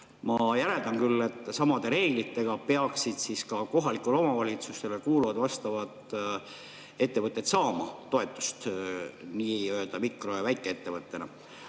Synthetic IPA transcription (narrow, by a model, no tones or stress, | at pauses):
mɑjæɾe̞ld̪ɑnkylːe̞t̪ːˑsɑmɑd̪̥e̞ɾe̞ːɡ̥lit̪ːe̞ɡ̥ɑpe̞ɑksid̪̥siskɑko̞ɦɑlikːˑulo̞mɑvɑlit̪sust̪e̞lekuːluvɑd̪vɑst̪ɑvɑt̪ | e̞t̪ːevɤt̪ˑːet̪sɑːmɑt̪o̞et̪ːˑu̥st̪niːøeld̪̥ɑmikro̞jɑvæjkːˑee̞t̪ːe̞vɤt̪ːˑe̞nɑ